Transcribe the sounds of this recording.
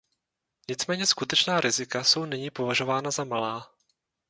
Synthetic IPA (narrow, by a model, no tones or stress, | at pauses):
ɲɪt͡smɛːɲɛskut̪ɛt͡ʃnaːɾɪzɪkaso̞wnɪɲiːpo̞vaʒo̞vaːnazamalaː